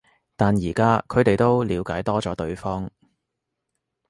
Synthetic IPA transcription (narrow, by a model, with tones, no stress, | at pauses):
t̪aː˨njiː˨˩kaː˥kʰɵ˨˧ɥt̪e˨jt̪o˥wliː˨˧wkaː˨˥jt̪ɔː˥t͡sɔː˨˥t̪ɵ˨˧ɥfɔː˥ŋ